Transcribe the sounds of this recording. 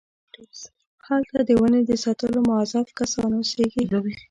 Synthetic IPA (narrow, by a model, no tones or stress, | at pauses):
halt̪ad̪əwəned̪əsɑt̪əlomʊazɑfkasɑnwoseɡi